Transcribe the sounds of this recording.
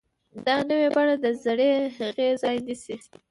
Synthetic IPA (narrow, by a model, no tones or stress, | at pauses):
d̪ɑnəwebaɽad̪əzaɽeɣezɑjnisi